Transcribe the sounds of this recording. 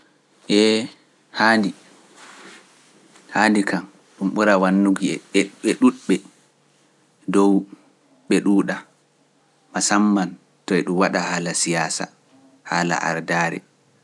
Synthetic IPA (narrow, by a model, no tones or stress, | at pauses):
ʔɛ | handi | handikam | ɗumɓuɾawanːuɡiɛɛɛɗuɗɓɛ | dɔw | ɓɛɗuːɗa | masamːan | tɔɛɗumwaɗahaːlasijaːsa̰ | ha̰ːla̰ʔa̰ɾdaːɾɛ̰